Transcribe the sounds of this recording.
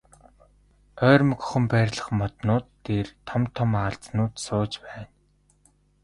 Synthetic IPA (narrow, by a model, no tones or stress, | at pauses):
œːrmɵ̆kχɵ̆mpæːrʲɮə̆χmɔt̪nʊːt̪ːeːrt̪ʰɔmt̪ʰːɔmaɬt͡snʊːt̪sʊːt͡ɕpæːn